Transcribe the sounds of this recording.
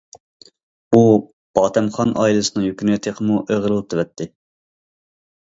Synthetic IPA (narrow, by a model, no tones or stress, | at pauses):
u | b̥ɑːt̪ʰɛmχɑnʔɑ̰ːjilˠɨsɨnɨŋjøkʲynjt̪ʰeqʰəmuʔeʁlˠɨlˠt̪ʰɨwɛt̪ʰːɪ